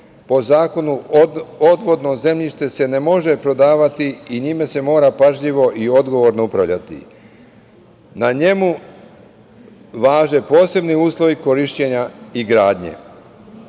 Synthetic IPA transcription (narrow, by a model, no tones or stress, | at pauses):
po̞zaːko̞nuod̪ʋo̞d̪no̞ze̞mʎiʃt̪e̞se̞ne̞mo̞ʒe̞pɾo̞d̪aːʋat̪iiɲime̞se̞mo̞ːɾapaʒʎiʋo̞ʔio̞d̪ɡo̞ʋo̞ɾno̞upɾaʋʎa̰t̪ḭ | naɲe̞mu | ʋaːʒe̞po̞ːse̞bniuːslˠo̞ʋiko̞ɾiʃt͡ɕe̞ɲaiɡɾaːd̪ɲḛ